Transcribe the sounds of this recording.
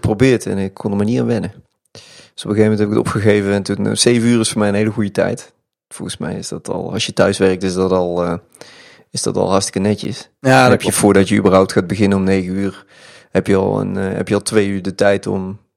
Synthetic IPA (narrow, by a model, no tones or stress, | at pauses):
probɪːɹtɛ̰nɪkkɔndəmaɹnianʋɪnə | d̥øsɔpəɣeːvəmɛntɦɛbɪkətɔ̰pxəɣejvəɛntunsejvənyːrɪsfʊːmɛjənɦejləɣujətɛ̰jt | fɔ̰lˠɣənsmɛ̰jɪ̰sdɑtʰɑ̰lˠɑ̰sjətœɥsʋɛrək̚tɪsdɑtɑlˠ | ɪzd̥ɑ̰tɑ̰lˠɦɑrstə̥kənɛcə̰s | anɛpjəvʊːɹdɑtjəy̰bərɦɔwp̚txaːd̚bəɣɪnənɔmnejɣənyːr | hɛpjəɑ̰lˠə̰nɦɛ̰pjəɑlˠtʋejyːɹdətɛjtɔ̰m